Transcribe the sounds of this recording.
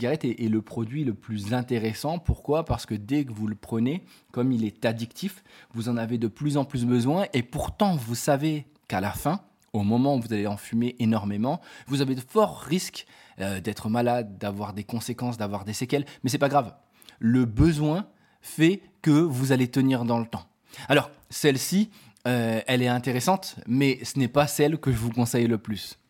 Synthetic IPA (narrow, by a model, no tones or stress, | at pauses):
iɡaʁɛt̪ɛʔːləpχɔd̪ɥiləplyzɛ̃t̪eʁesɑ̃puʁkwapaʁsə̥kəd̪ɛkəvuləpχəne | kɔmilɛt̪ad̪ikt̪ifvuzɑ̃naved̪əplyzɑ̃plysbəzwɛ̃ʔepuʁt̪ɑ̃vusave | kalafɛ̃ | omɔmɑ̃uvuzaleɑ̃fymeʔenɔʁmemɑ̃vuzaveəfɔʁːisk | ød̪ɛt̪χəmalad̪̚ːavwaʁd̪ekɔ̃sekɑ̃sd̪avwaʁd̪esekʲɛlmɛs̬ɛpaɡʁav | ləbəzwɛ̃ | fɛ | kəvuzalet̪əniʁd̪ɑ̃lət̪ɑ̃ | alɔʁ | sɛlsi | øɛlɛt̪ɛ̃t̪eʁesɑ̃t̪mɛsənɛpasɛlkəʒəvukɔ̃sɛjləplys